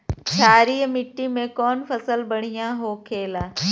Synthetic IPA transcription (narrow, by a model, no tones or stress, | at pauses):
t͡ʃaːɾiəmɪʈːimẽkɔːnfɐsəlbɐɽ̤ijãɦoːkʰeːlaː